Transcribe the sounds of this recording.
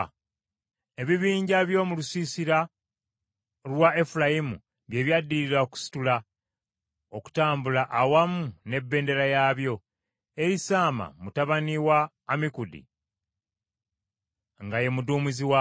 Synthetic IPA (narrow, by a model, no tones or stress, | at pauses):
e̞βiβiːɲɟaβjo̞ːmulusiːsiɾa | lwae̞fulajimṵ | βje̞βjadːiɾiɾaoku̥si̥tula | oku̥taːmbulaʔːwamune̞bːe̞ːnde̞ɾajaːβjo̞ | e̞ɾisaːma̰mutaβaniwaː | mikudḭ | ŋɡaje̞muduːmuziwa